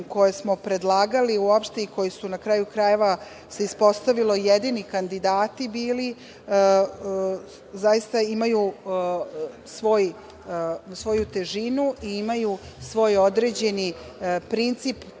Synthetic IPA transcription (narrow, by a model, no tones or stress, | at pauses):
ko̞jesmo̞pɾe̞d̪lˠaːɡaliuopʃt̪e̞iko̞jisunakɾaːjukɾaje̞ʋa | se̞ispo̞st̪aʋilo̞jed̪iːnikand̪id̪aːt̪ibiːli | zajist̪aimaju | sʋo̞j | sʋo̞jut̪e̞ʒinuʔiimaju | sʋo̞ːjo̞d̪ɾe̞d͡ʑe̞ni | pɾint̪sip